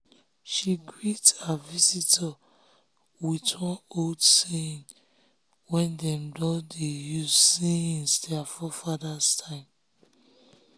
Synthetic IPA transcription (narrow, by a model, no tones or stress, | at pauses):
ʃiɡɹithavizitʰa | witwɔ̃noldsẽn | wɛ̃ndɛ̃mdɔdejuzsĩnsdɛfɔfadastʰãɪ̃m